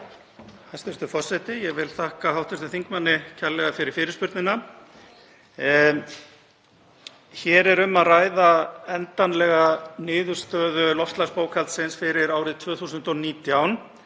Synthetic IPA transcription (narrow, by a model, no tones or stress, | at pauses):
hajst̪ɛst̪ʏfɔrsɛt̪ɪjɛɣvɪlθahkahawht̪ɛst̪ʏθiŋkmanːɪcʰalːɛɣafɪɾɪɾ̥fɪːɾɪspʏɾt̪nɪna | çɛɾɛɾʏmːaðraːjðaɛnt̪anlɛɣanɪːðʏɾ̥st̪œːðʏlɔfst̪laspoːwkʰalt̪sɪnsfɪɾɪɾaːwɾɪðt̪ʰvœːθuːsʏnt̪ɔniːt̪jaːwn